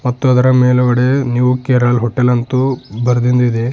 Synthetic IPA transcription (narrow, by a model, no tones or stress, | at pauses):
mɐt̪ːuɐd̪ɐɾɐmeːlɐʋɐɽenuʋukeːɾɐlɦɔʈːelɐnt̪ubɐɾɐd̪ind̪uid̪e